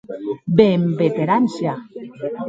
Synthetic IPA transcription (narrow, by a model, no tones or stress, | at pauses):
bembet̪eɾansja